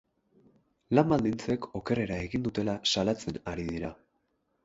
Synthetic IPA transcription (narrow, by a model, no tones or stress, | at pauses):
lambald̪int͡se̞ko̞ke̞re̞ɾae̞ɣind̪ut̪e̞lasalat͡se̞naɾiðiɾa